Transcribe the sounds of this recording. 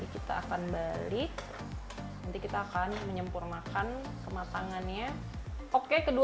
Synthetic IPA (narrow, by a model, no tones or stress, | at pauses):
ikit̪a̰a̰kanbalɪk̚ | nant̪ikit̪aːkanməɲəmpurnakan | kəmat̪aŋanɲa | okekədu